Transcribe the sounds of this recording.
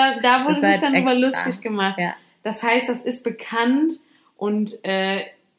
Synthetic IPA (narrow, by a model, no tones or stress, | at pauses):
ɐdaːvʊɐdəɪd̥anːbɐlʊsɪçɡ̥əmaχt | d̥ashaɪstd̥asɪst̚b̥əkʰant | ʔʊntʔɛː